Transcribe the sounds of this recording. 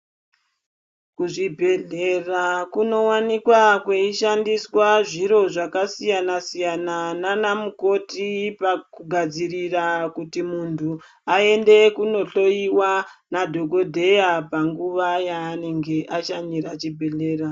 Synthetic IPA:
kuʐibʱe̞ɮe̞rakuno̞wanikwakweiʃandiswaʐiɾo̞ʐakasijanasijanananamuko̞tipakuɡʱad͡zirirakutimuntʰu | ae̞nde̞kuno̞ɬo̞iwanadʱo̞ɡo̞dʱe̞japaŋɡuʋajaːne̞ŋɡe̞ʔat͡ʃaɲiɾat͡ʃibʱe̞ɮe̞ːra

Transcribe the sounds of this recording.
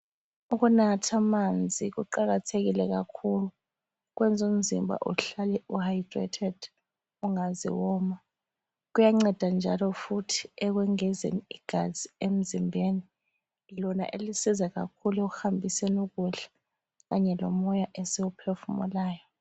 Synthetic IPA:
uk̬unatʰamand͡zʱik̬uǃak̬atʰek̬ilɛk̬a̰kʰulu | k̬wɛnd͡zʱum̩zimbʱa̰ʔuɬalɛuhajdrɛ̰tʰɛd̥ | uŋazḭwɔːma | k̬ujaŋ͡ǀɛd̥ʱand͡ʒʱalɔfutʰiɛk̬wɛŋɛzḛniiɡ̥ʱaz̥iem̩zimbʱeni | lɔna̰ʔelisizak̬a̰kʰulɛkuhambʱisɛnuk̬uɬḁ | kaɲɛlɔmɔjaʔesiwupʰefumṵlaːjɔ

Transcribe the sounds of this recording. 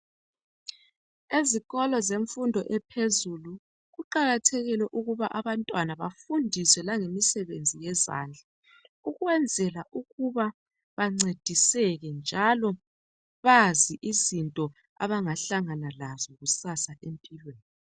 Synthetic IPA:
eziɣɔlɔzeɱfundʱɔʔɛpʰezulu | ɣuǃaɣatʰɛɣilɛʔuɣuβaʔaβantʼwanaβafundʱiswɛlaŋemisɛβend͡zʱijɛza̰ːnd͡ɮʱa | uɣwɛnd͡zʱɛlaʔuɣuβa | βaŋ͡ǀed̥ʱisɛɣɛnd͡ʒʱalɔ | βaziʔizintʼɔ | a̰βaŋaɬaŋanalazɔɣusasaʔempʼilweːni

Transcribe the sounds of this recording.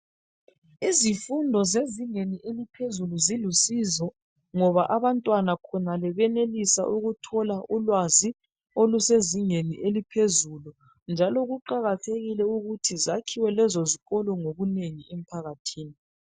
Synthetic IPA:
izifundʱɔzeziŋeniʔelipʰezuluzilusizɔ | ŋɔβaʔaβantʼwanakʰɔnalɛβɛnelisa̰ʔuɣutʰɔlaʔulwazi | oluseziŋeniʔelipʰezulu | nd͡ʒʱalɔɣuǃaɣatʰeɣilɛuɣutʰizakʰiwɛlɛzoziɣɔlɔŋoɣuneŋiɛm̩pʰaɣatʰiːni

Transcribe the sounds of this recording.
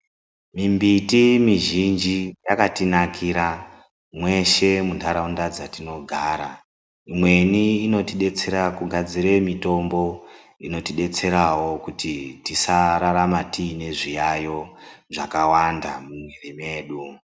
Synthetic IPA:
mimbitimiʒind͡ʒijakatinakʰiɾa | mwe̞ʃe̞muntʰaɾaundad͡zatino̞ɡʱaːɾa | imwe̞niːno̞tiɗe̞t͡se̞ɾakuɡʱad͡ziɾe̞mito̞mbo̞ | ino̞tiɗe̞t͡se̞ɾawo̞kutitisaɾaɾamatiːne̞ʐijajo̞ʐakawandamumwerime̞ːɗu

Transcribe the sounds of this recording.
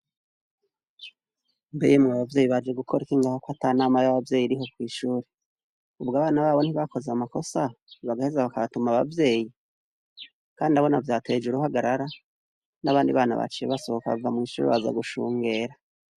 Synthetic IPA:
mbḛjemŋaβavje̞ːjiβad͡ʒe̞ɡukʰo̞ɾikiŋɡaːhokwatanaːmajaβavje̞ːjiɾiɦo̞kwiːʃuːɾe | ubɡaːβaːnaβaːβo̞n̥hiβako̞zeamako̞saβaɡahezaβakaβatumaβa̰vje̞ːji | kaːndidaβo̞navjaːtʰe̞ːd͡ʒuɾuhaɡaɾaɾa | naβaːndḭβaːna̰βa̰t͡ʃijeβaso̞hokaβa̰vamŋiːʃṵːɾḛβaza̰ɡuʃuːŋɡe̞ːɾa

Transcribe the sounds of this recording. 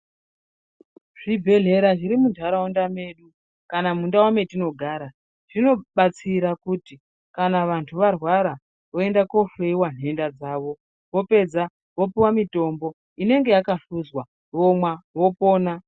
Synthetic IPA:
ʐ̥ibʱe̞ɮe̞ɾaʐiɾimundʰʱaɾaondame̞ɗu | kanamundawame̞tino̞ɡʱaːɾa | ʐ̥ino̞ɓat͡siɾakuti | kanaʋantʰuʋarwaɾa | ʋo̞e̞ndako̞feiwan̤ɦe̞ndad͡zaːʋo̞ | ʋo̞pe̞d͡za | ʋo̞piwamito̞mbo̞ | ine̞ŋɡe̞jakaɬuzwa | ʋomwaʋo̞po̞ːna

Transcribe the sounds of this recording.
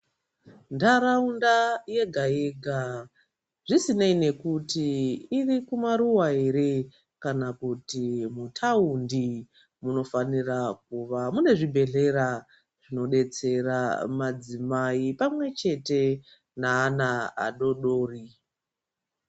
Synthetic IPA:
ndaɾaundaje̞ɡʱaeɡʱa | ʐisinaine̞kutiirikumaɾuwaeɾe | kanakutimutʰaundi | muno̞fanirak̚uʋamune̞ʐibʱe̞ɮe̞ɾa | ʐ̥ino̞ɗe̞t͡se̞ramad͡zimaipamwe̞t͡ʃe̞te̞ | naːnaa̰ɗo̞ɗo̞ːri

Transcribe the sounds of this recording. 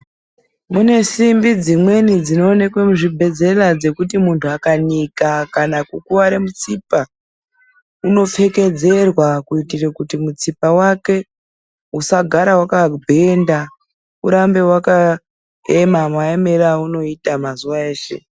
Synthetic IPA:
mune̞simbid͡zimwe̞nid͡zino̞ːnekwe̞muʐibʱe̞d͡ze̞lad͡ze̞kut̬imuntʰuakanikakanakukuwaɾemut͡sipa | uno̞fe̞ke̞d͡ze̞rwakuitirekutimut͡sipawake̞ | usaɡʱaɾawakabʱenda | ṵɾambe̞waka | emamwaeme̞ɾauno̞itamazuʋae̞ːʃe̞̰

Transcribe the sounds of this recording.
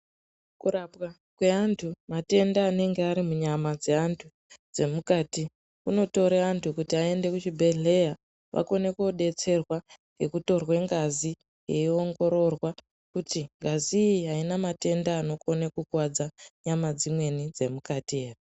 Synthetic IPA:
kurapwa | kwe̞antʰumate̞ndaːne̞ŋɡeaɾimuɲamad͡ze̞antʰu | d͡ze̞mukaːti | kuno̞to̞ɾeantʰukutiae̞nde̞kut͡ʃibʱe̞ɮe̞ja | ʋʔa̰ko̞ne̞koɗe̞t͡se̞rwaŋɡe̞kuto̞rwe̞ŋɡazi | je̞io̞ŋɡo̞ɾo̞rwa | kutiŋɡaziɦainamate̞ndaːno̞ko̞nekukwad͡zaɲamad͡zimwe̞nid͡ze̞mukatie̞ːre

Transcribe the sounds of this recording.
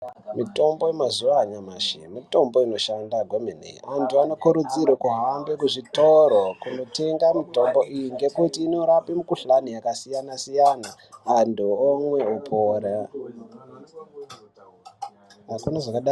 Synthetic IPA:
mito̞mbojemazuʋaɲamaʃimito̞mbo̞ino̞ʃandaɡʱomenḛantʰuano̞kuɾud͡zirwakuɦambekuʐitoɾokuno̞te̞ŋɡamito̞mbo̞ʔijiŋɡe̞kutiːno̞ɾapimukuɬanijakasijanasijana | anduomweupʰoːra | akunaʐakaɗa

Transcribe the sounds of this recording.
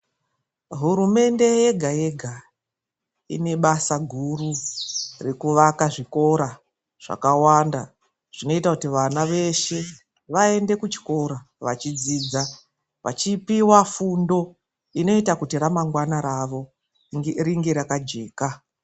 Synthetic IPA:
ɦuɾume̞nde̞je̞ɡʱaje̞ɡʱa | ḭne̞ɓasaɡʱururekuʋakaʐiko̞ɾa | ʐ̥a̰kawanda | ʐ̥ino̞itakutiʋanaʋe̞ʃe̞ | ʋae̞nde̞kut͡ʃi̥ko̞ɾa | ʋat͡ʃid͡ziːd͡za | ʋa̰t͡ʃipiwafundo̞ | ino̞itakutiɾamaŋɡwanaɾaʋo̞ | riŋɡe̞ɾakad͡ʒe̞ːka

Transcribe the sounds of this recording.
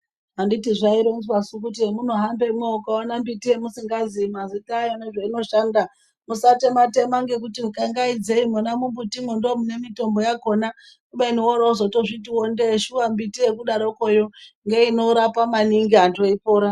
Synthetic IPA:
ɦanditiʐaiɾonzwasuk̬ut̬iemunoɦambe̞mokaonambitiemusiŋɡazimazitajoneʐaino̞ʃanda | musatemate̞maŋɡe̞k̬utiukaŋɡaid͡zeimonamumbutimundomune̞mito̞mbo̞jako̞na | kuɓeiniwoɾozotoʐit̬iwondeʃuʋambitiekuɗaɾo̞kojoŋɡe̞ino̞ɾapamaniŋɡiantoipoːɾa

